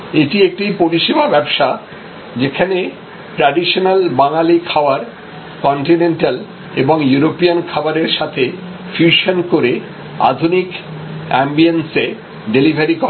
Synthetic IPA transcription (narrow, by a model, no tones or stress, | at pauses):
eʈiek̚ʈipoɾiʃibabɛbʃa | d͡ʑekʰane | ʈɾaɖiʃonalbaŋalikʰaoaɾ | kɔɳʈinenʈal | eboŋjuɾopiankʰaoaɾeɾʃat̪ʰe | fʰjuʃonkoɾe | a̰d̪ʱunikɛmbiense | ɖelibʱaɾikɔ